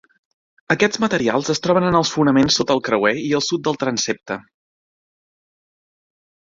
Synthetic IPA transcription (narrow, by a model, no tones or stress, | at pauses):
əkɛd͡zmət̪əɾialˠzəst̪ɾɔβ̞ənənəlˠsfunəmensːot̪əlˠkɾəwɛiəlˠsut̪̚d̪əlˠt̪ɾənsep̚t̪ə